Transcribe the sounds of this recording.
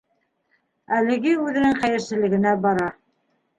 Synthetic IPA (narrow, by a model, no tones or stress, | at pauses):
ælɘ̆ɡɘʉðɘ̆nɘŋχæjɘ̆ɾsɘ̆lɘ̆ɡɘ̆næbɑɾɑ